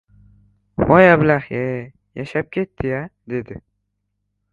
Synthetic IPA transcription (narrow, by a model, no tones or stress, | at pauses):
bɒjabɪlaχje | jaʃap̚kʲʰet̪ʰːɪjad̪e̞d̪ɪ